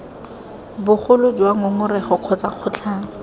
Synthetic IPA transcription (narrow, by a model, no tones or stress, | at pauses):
bʊχʊlʊd͡ʒwaŋʊŋʊrɛχɔq͡χʰɔt͡saq͡χʰʊt͡ɬʰaːŋɔ